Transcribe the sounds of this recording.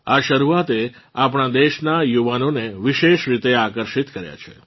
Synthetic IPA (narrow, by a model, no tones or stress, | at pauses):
aʃəɾuat̪e | apɳ̃ad̪eʃnajuʋanoneʋiʃeʃɾit̪eakəɾʃit̪kəɾja̰t͡ʃʰḛ